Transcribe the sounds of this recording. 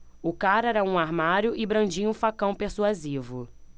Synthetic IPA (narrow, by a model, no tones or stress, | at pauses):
ʊkaɾɛɾɐũaɾmaɾjʊʔɪbɾɐ̃d͡ʒĩũfakɐ̃w̃peɾsuazivʊ̰